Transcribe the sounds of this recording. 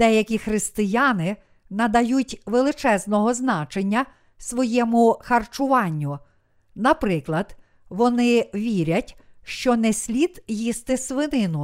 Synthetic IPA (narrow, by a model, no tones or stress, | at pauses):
d̪̥ɛjɐkʲixɾɪst̪ɪjɑnɪ | nɐd̪ɐjutʲʋelˠɪt͡ʃɛznɔɦɔznɑt͡ʃenʲːɐ | sʋɔjɛmʊxɐrt͡ʃʊʋɑnʲːʊ | nɐpɾɪklˠɐd̪̥ | ʋɔnɪʋʲiɾʲɐtʲʃt͡ʃɔnɛsʲlʲid̪jist̪ɪsʋɪnɪnʊ